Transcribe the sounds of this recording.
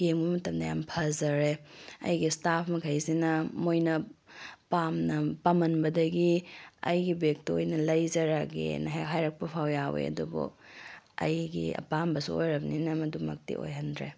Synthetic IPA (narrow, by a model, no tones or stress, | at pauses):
keŋbumɐtɐmdɐja̰mpʰɐzɐɾeɐ̰jɡistapʰmɐkʰɐjsinɐmojnɐpamnɐpamɐnbɐdɐɡiɐ̰jɡibek̚tojnɐlɐjzɐɾaɡḛnɐɦaɦajɾɐk̚pɐpʰawjawḛɐ̰dubṵ | ɐ̰jɡḭɐ̰pambɐsuojɾɐbninɐmɐdumɐ̰k̚tḭʔo̰jɦɐndɾe